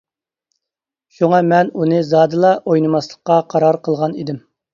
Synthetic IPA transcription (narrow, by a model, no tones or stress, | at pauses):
ʃuŋɑmɛnunɨzɑːd̪ɨlˠɑʔojnɨmɑslˠəqːɑqʰɑɾɑɾqʰəlˠʁɑnid̪ɪm